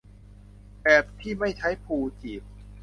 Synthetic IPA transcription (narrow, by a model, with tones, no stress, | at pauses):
pɛː˨˩p̚t̪ʰiː˥˩ma˥˩jt͡ɕʰa˦˥jpʰuː˧t͡ɕiː˨˩p̚